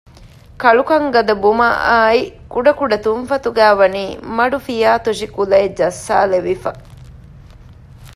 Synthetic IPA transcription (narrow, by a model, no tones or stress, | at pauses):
kɐɭukɐŋɡɐd̪ɐbumɐ̰aːikuɖɐkuɖɐt̪unfɐt̪uɡæːʋɐniːmɐɖufijaːt̪uʃikulɐed͡ʒɐsːa̰ːleʋifɐ